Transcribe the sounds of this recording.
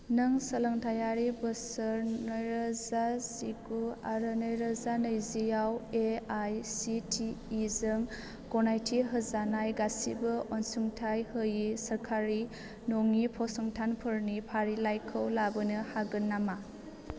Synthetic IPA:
nɯŋsɐlɐŋtʰajaɾibəsəɾnɔjɾazasiɡuaɾɯnɯjɾazanɯjzijaweajsitʰiːzɯŋ | kɔnajtʰiɦɯzanajɡasibɐʔɔnsuŋtʰajhɯjisɐɾkʰaɾi | noŋipʰɔsɔŋtʰanpʰɯɾnipʰaɾilajkʰɯwlabɯnɯhaɡɯnːama

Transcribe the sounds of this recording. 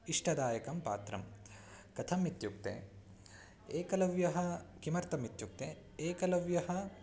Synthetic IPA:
iʂʈʰɐd̪aːjɐkɐmpa̰ːt̪ɾɐ̰m | kɐt̪ʰɐmit̪juk̚t̪ḛ | eːkɐlɐʋjɐɦɐ̆kimɐɾt̪ɐmit̪juk̚t̪e | eːkɐlɐʋjɐɦɐ̆

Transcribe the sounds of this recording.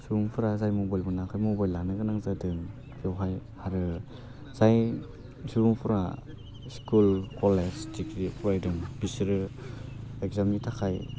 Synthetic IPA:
suɾuŋpʰuɾazajmɔbajlbɯnakʰajmɔbajlːanɯɡɯnaŋzadɯŋ | piawɦajhaɾɯ | z̥aj | suɾuŋpʰuɾa̰ | skulkʰɔlesdikɾipʰajdɯŋbisɾɯ | ekzamnitʰakʰaj

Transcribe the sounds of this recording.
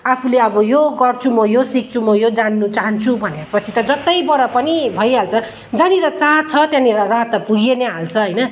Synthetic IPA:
apʰuleʌbʌjoɡʌrt͡sʰumʌjosik̚t͡sʰumʌjod͡zanːut͡saɦʌnt͡sʰubʱʌnepʌt͡sʰit̪ʌd͡zʌt̪ʌjbʌɾʌpʌnibʱʌjɦalt͡sʰʌ | d͡zaniɾʌt͡sãɦt͡sʰʌt̪janiɾʌrat̪ʌpuɡeneɦalt͡sʰʌɦʌjnʌ

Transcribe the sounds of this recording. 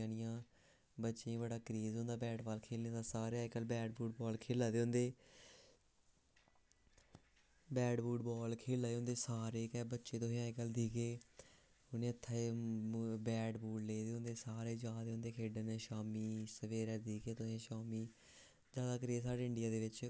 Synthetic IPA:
nɪjãː | bətːʃẽːbəɽaːkəɾeːzõːnd̪aːbɛːʈbaːlkʰeːlẽaːsaːɾeaːɪkəlbɛːɖbuːʈbɔːlkʰeːlaːd̪eːʊnd̪eː | bɛːɖbuːʈbɔːlkʰeːlaːd̪eːoʊ̃nd̪eːsaːɾeːkɛːbətːʃeːt̪oːɦẽãːɪkəld̪iːkeː | hʊnẽːət̪ʰːaːeː | bɛːɖbuːɽleːd̪eːʊnd̪eːsaːɾeːd͡ʒaːd̪eːʊ̃nd̪eːkʰeːɖənɛ̃ːʃaːmiːsəʋeːɾɛːd̪iːkeːt̪osĩːʃaːmiː | d͡ʒaːd̪aːkɾeːzsaːɖeːɪɳɖɪjaːd̪eːʋɪt͡ʃ

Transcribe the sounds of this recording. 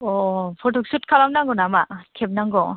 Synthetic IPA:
ɔpʰɔtʰɔk̚sut̚kʰalamnaŋɡɔnamakʰep̚naŋɡɔ

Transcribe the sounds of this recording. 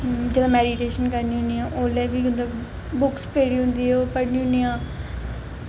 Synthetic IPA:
d͡ʒeːd̪ãːmɛːɖiʈeːʃənkəɾniːɦʊnːiãːʔoːlɛːʋiːmət̪ləb | bʊkspʰeːɽiːɦʊ̃nd̪iːɛːoːpəɽniːɦʊ̃niːãː

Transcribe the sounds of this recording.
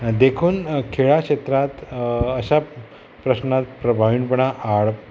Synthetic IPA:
d̪ekʰuːnkʰeɭakɕet̪ɾat̪əɕa | pɾəɕnat̪̚pɾəbʱaʋiːɳpəɳaʔaɭ

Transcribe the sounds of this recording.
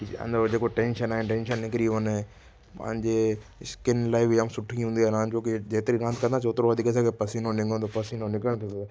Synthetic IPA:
kɐ̰̃nd̪od͡ʑeːkoʈẽːnʃənaːɦenʈẽːnʃənːɪkɾiʋɐne | pɐ̰̃ɦɪ̃ɲd͡ʑeskɪnlaːibʱɪamsʊʈʰiɦũːnd̪iaːnãːt͡ʃoːkid͡ʑeːt̪ɪɾiɾãnt̪̚kɐ̃nd̪ãsoːt̪ɾoʋɐd̪ʱikɐs̬akepɐsinõnɪ̃ŋɡʱõt̪opɐsinõnɪkəɽ̃t̪ʰot̪o

